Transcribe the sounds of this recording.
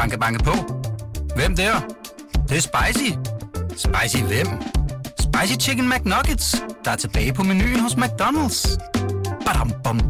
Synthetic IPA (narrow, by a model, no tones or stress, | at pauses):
ɑ̈ŋɡ̥əb̥ɑ̈ŋɡəpʰɔ | ʋem̰d̥eɐd̥eɐsb̥ɑ̈ɪsisb̥ɑ̈ɪsiʋem̰sb̥ɑ̈ɪsit͡ʃʰiɡ̥ən̩mæɡ̥nɒɡ̥əd̥sd̥ɑ̈æɐt͡sʰe̝b̥ɛ̰ːɪpʰɒ̽meny̰ːɦosmæɡ̥̚d̥ɔnəl̥s | b̥æɾɑmb̥ɔm